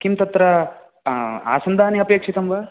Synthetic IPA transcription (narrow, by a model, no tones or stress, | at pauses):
kimt̪ɐt̪ɾɐ | a̰ːsɐnd̪ʱaːniɐpeːkʂit̪ɐmʋɐ